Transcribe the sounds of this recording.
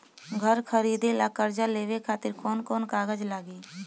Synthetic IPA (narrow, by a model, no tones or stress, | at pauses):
ɡʱəɾkʰəɾiːd̪elaːkəɾd͡ʒaleːʋekʰaːt̪ɪɾkɔːnkɔːnkaːɡəd͡ʒlaːɡiː